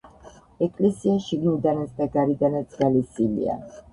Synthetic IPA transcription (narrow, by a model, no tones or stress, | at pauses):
ɛkʼlɛsiaʃiɡnid̪anat̪sd̪aɡaɾid̪anat̪sʼɡalisilḭa̰